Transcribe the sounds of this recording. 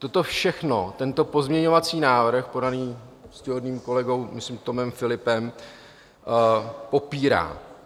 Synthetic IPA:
t̪o̞t̪o̞fʃɛxno̞t̪ɛnt̪o̞po̞zmɲɛɲo̞vat͡siːnaːvr̩xpo̞daniːscɛɦodniːmko̞lɛɡo̞wmɪslɪmt̪o̞mɛmfɪlɪpɛm | po̞piːɾa̰ː

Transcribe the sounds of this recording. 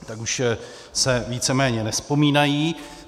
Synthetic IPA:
t̪akuʃ | sɛviːt͡sɛmɛːɲɛnɛspo̞miːnajiː

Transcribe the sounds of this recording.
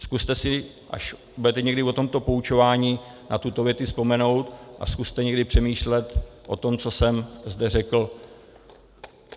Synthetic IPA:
skust̪ɛsɪ | ʔa̰ʃ | budɛt̪ɛɲɛɡdɪvo̞t̪o̞mt̪o̞po̞ut͡ʃo̞vaːɲiː | nʔat̪ut̪o̞vjɛt̪ɪspo̞mɛno̞wt̪ʔa̰skust̪ɛɲɛɡdɪpr̥ɛmiːʃlɛt̪ʔo̞̰t̪o̞mt͡so̞sɛmzdɛrɛkl̩

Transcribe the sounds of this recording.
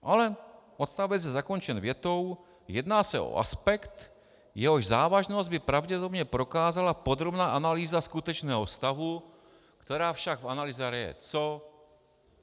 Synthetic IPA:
ʔalɛ | ʔot̪st̪avɛzjɛzakont͡ʃɛnvjɛt̪ow | jɛd̪naːsɛʔo̰ʔa̰spɛkt̪ | jɛɦoʒzaːvaʒnozd̪bɪpɾavɟɛpod̪obɲɛpɾo̞kaːzalapod̪ɾobnaːʔanaliːzaskut̪ɛt͡ʃnɛːɦost̪avu | kt̪ɛɾaːfʃaɡvanaliːzɛɾɛjɛ̰t͡so

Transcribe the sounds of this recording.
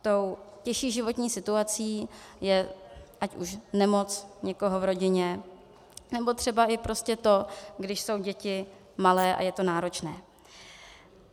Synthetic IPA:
t̪o̞wcɛʃiːʒɪvo̞t̪ɲiːsɪt̪uat͡siːjɛʔacʔuʃnɛmo̞t͡sɲɛko̞ɦo̞vɾo̞ɟɪɲɛ | nɛbo̞t̪r̝̥ɛbaʔɪpɾo̞scɛt̪o̞ɡdɪʃso̞wɟɛcɪ | malɛːʔa̰jɛt̪o̞naːɾo̞t͡ʃnɛː

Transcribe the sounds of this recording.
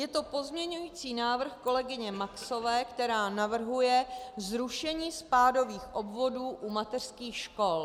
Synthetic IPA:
jɛt̪o̞po̞zmɲɛɲujiːt͡siːnaːvr̩xko̞lɛɡɪɲɛmakso̞vɛːkt̪ɛɾaːnavr̩ɦujɛzɾuʃɛɲiːspaːdo̞viːxʔo̞bvo̞duːʔumat̪ɛr̥skiːxʃko̞l

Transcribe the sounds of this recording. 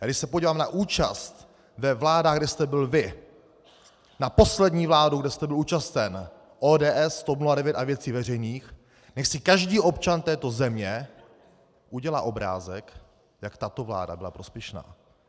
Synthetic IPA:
jaːɡdɪʃsɛpoɟiːvaːmnaʔuːt͡ʃa̰st̪ | vɛvlaːdaːɣɡdɛst̪ɛbɪlvɪ | napo̞slɛdɲiːvlaːduɡdɛst̪ɛbɪluːt͡ʃast̪ɛn | ʔoːdɛːʔɛsːt̪opnuadɛvjɛt̪avjɛt͡siːvɛr̝ɛjniːx | nɛxsɪkaʒdiːʔo̞pt͡ʃant̪ɛːt̪o̞zɛmɲɛ | ʔuɟɛla̰ːʔo̞bɾa̰ːzɛk | jakt̪at̪o̞vla̰ːda̰bɪlapɾo̞spjɛʃna̰ː

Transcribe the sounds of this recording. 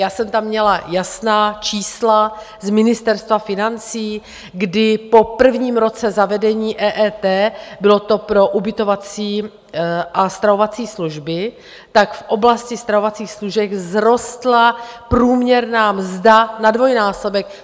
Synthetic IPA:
jaːsɛmt̪amːɲɛlajasnaːt͡ʃiːsla | zmɪnɪst̪ɛɾst̪vafɪnant͡siː | ɡdɪpo̞pr̩vɲiːmɾo̞t͡sɛzavɛdɛɲiːʔɛːʔɛːt̪ɛːbɪlo̞t̪o̞pɾo̞ʔubɪt̪o̞vat͡siː | ʔast̪ɾavo̞vat͡siːsluʒbɪ | t̪akfʔo̞blascɪst̪ɾavo̞vat͡siːxsluʒɛɡzɾo̞st̪lapɾuːmɲɛɾnaːmzdanadvo̞jnaːso̞bɛk

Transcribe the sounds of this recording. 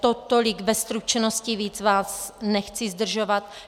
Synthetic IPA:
t̪ot̪olɪɡbɛst̪ɾut͡ʃɛnosciviːt͡svaːsnɛxt͡sizd̪r̩ʒovat̪̚

